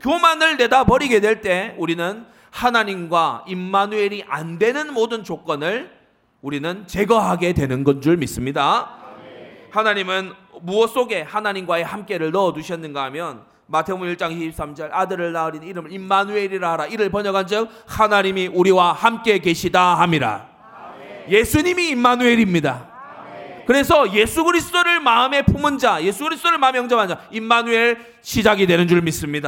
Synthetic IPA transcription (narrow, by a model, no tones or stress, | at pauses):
kjomanɯɭne̞dapʌɾiɡe̞dwe̞ɭt͈e̞uɾinɯn | hanaɲimɡwaimːanue̞ɾiʔandwe̞nɯnmodɯnt͡ɕok͈ʌnɯɭ | uɾinɯnt͡ɕe̞ɡʌɦaɡe̞dwe̞nɯnɡʌnd͡ʑuɭmis͈ɯmɲida | hanaɲimɯnmuʌs͈oɡe̞hanaɲimɡwae̞hamk͈e̞ɾɯɭnʌʌduɕʰjʌnːɯnɡaamjʌn | matʰeboiɭt͡ɕ͈aŋiɕʰip̚s͈amd͡ʑʌɭadɯɾɯɭnaɯɾinniɾɯmɯɾimːanue̞ɾiɾaɦaɾaiɾɯɭpʌɲʌɡand͡ʑɯk̚ | hanaɲimiʔuɾiwahamk͈e̞ke̞ɕʰidaɦamiɾa̰ | je̞sʰuɲimiːmːanue̞ɾimɲida | kɯɾe̞s̬ʰʌje̞sʰuɡɯɾisʰɯ̥toɾɯɭmaɯme̞pʰumɯnd͡ʑaje̞sʰuɡɯɾisʰɯ̥t͈oɾɯɭmaɯmejʌŋd͡ʑʌmand͡ʑaimːanue̞ɭ | ɕʰid͡ʑaɡidwe̞nɯnd͡ʑuɭmis͈ɯmɲida